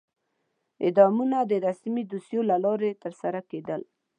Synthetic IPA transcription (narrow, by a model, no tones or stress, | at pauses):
ɪ̰d̪ɑmunad̪əɾasmid̪usjolalɑɾet̪əɾsaɾaked̪əl